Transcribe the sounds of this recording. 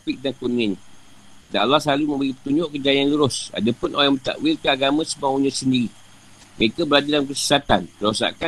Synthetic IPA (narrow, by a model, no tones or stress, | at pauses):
pɪk̚dankuniaɲa | da̰ʔlahslalumə̃mbəɾipə̥t̪uɲd͡ʒʊʔkəd͡ʒajanluɾʊsa̰dapʊnʔojamət̪a̰ʔwɪlkaaɡamãsəbawuɲãsəndiɾi | məɾekabəlad͡ʒalamkəsə̥sat̪ant̪əɾosa̰ka